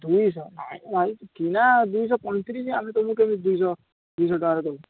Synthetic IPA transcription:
d̪ujsɔna̰jajkinad̪ujs̬ɔpɔnt̪ʰiɾis̬iamit̪ɔmũkeamid̪ujsɔ | d̪ujs̬ɔɖɔkaɾɛkɔu

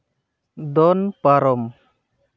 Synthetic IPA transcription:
d̪ɔnpaɾɔm

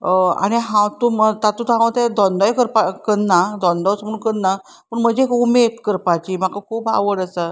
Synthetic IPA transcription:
a̰ɽ̃iɦãwt̪umət̪at̪ut̪ɦãwt̪ẽd̪ɔnd̪ɔjkəɾpakənːad̪ɔ̃nd̪ɔt͡smuːnkənna | pəɳm̤əd͡ʑekumed̪kəɾpat͡ɕim̤akakʰuːpa̰ʋəɽəsə

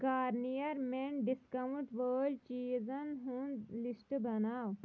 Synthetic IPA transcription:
kaːɾnijɐɾmeɳɖiskaʋɳʈʋəːɖt͡ɕiːzənɦuːnlisʈbɐnaːʋ

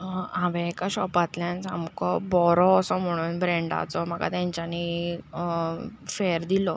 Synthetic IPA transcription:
ãʋɛ̃ekaɕɔpat̪ljãnt͡sa̰mkɔbɔɾɔːsɔm̤əɽ̃uːnbɾẽɳɖa̰t͡sɔm̤əka̰t̪jaɲt͡ɕani | feəɾd̪ilɔ

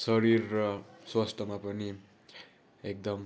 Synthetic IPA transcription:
sʌɾirːʌswasʈ̪ʰʌmapʌni | ek̚d̪ʌm

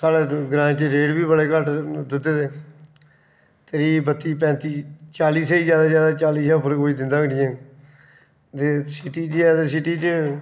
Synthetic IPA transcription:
kaːleːɡɾãːt͡ʃeɾeːɽbiːbəɽeːkəʈd̪ɪt̪ːeːt̪eː | t̪eɾiːbət̪ːiːpɛ̃ːnt̪iːt͡ʃaːliːseːiːzjaːd̪aːzjaːd̪aːt͡ʃaːliːsãːpəɾkoːiːd̪ɪ̃nd̪aːɡnĩːɛ̃ː | t̪eːsɪʈiːt͡ʃɛːd̪esɪʈiːt͡ʃ

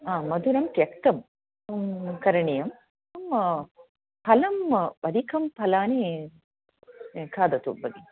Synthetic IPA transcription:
aːmɐd̪ʱuɾɐmpjɐkt̪ɐm | kɐɾɐɳijɐm | ɐm | pʰɐlɐmbɐd̪ikʰɐmpʰɐlaːni | kʰaːd̪ɐt̪ṵbɐɡi

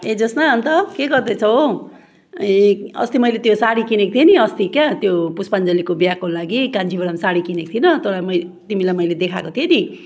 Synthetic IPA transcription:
ed͡zʌsnaʌnt̪ʌkeɡʌrd̪ʌt͡sʰʌ | eʌ̰st̪imʌjlet̪josaɽikinek̚t̪ʰjeniʌst̪ikjat̪jopuspand͡zʌlikobjakolaɡikãnd͡zibʌɽʌmsaɽikinek̚t̪ʰienʌt̪olajmʌjt̪imilajmʌjled̪ekʰakot̪ʰieni

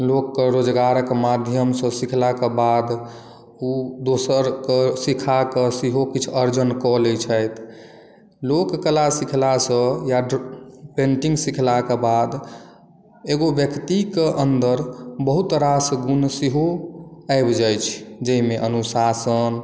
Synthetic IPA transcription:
lokːeɾod͡ʒɡaɾəkmad̪ʱjəmsə̃sikʰlakebad̪ | ud̪osəɾkesikʰakesiɦokit͡ʃʰəɾd͡ʒənkɔlet͡ʃʰəjt̪ʰ | lokːəlasikʰlasə̃jaɖpẽɳʈiŋɡsikʰlakebad̪ | eɡobjəkt̪ikeʔənd̪əɾbəɦut̪ɾasɡunsiɦoaɪbd͡ʒajt͡ʃʰd͡ʒəimeʔənusasən

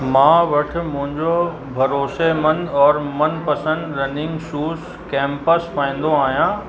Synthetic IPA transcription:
mãːʋɐʈʰʊ̆mʊ̃ɦɪ̃ɲd͡ʑo | bʱɐɾoːʃemɐ̃nd̪ɔːɾmɐ̃npɐsə̃nd̪ɾɐnɪ̃ŋɡʃuːz | kɛ̃ːmpəspãːĩn̆d̪oaːɦijãː

